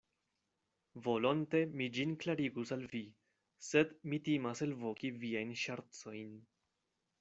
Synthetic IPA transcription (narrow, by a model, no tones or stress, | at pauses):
vo̞lonte̞mid͡ʒinklaɾiɡusalvi | se̞dmitimase̞lvo̞kiviajnʃaɾt͡so̞jn